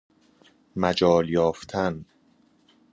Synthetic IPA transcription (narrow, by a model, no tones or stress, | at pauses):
mæd͡ʒɒːljɒːft̪ʰæn